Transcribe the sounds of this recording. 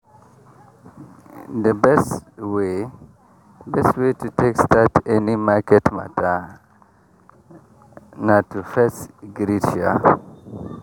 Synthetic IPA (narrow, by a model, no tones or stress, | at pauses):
dəbɛswe | bɛstwetʰutʰekstatʰɛnimakɛtma̰tʰa | natufɛsɡɾita̰